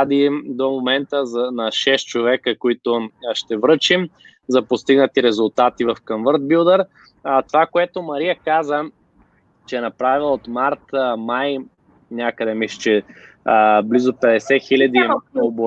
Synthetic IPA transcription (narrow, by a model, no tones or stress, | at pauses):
d̪id̪omomɛnt̪əzɐnɐʃɛst̪̚t͡ʃovɛkəkoit̪ʊʃt̪ɛvɾɤt͡ʃim | zɐpost̪iɡnət̪iɾɛzʊlˠt̪at̪ivɐfkɐɱvɤɾt̪̚bilˠd̪əɾ | t̪ovakoɛt̪omɐɾiəkazə | t͡ʃɛːnɐpɾavilˠot̪maɾt̪maj | nʲakəd̪ɛmiʃt͡ʃɛ | blizopɛd̪ɛsɛxilʲɐd̪iobo